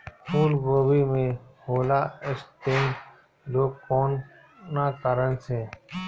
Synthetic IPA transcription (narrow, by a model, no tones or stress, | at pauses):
pʰuːlboːbiːmẽːhoːlaːɪst̪eːn | loːɡkoːn | nãːkəɾənsẽː